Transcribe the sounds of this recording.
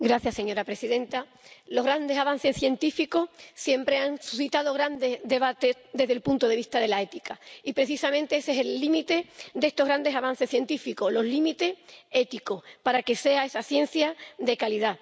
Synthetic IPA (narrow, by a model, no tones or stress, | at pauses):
ɡɾaθjasːe̞ɲo̞ɾapɾe̞siðẽ̞nt̪a | lo̞ɣɾand̪esaβan̟θe̞sθje̞nt̪ifiko̞hsje̞mpɾe̞aŋsuθit̪að̞o̞ɣɾand̪e̞zðe̞βat̪e̞ðe̞ɦðelpunt̪oð̞e̞βiht̪aðe̞lae̞t̪ikaipɾe̞θisamẽnt̪e̞eseselːimit̪e̞d̪e̞st̪o̞ɣɾand̪e̞saβan̟θe̞sθje̞nt̪ifiko̞lo̞ɦlimit̪e̞e̞t̪iko̞hpaɾake̞se̞ae̞saθje̞n̟θjad̪e̞kaliða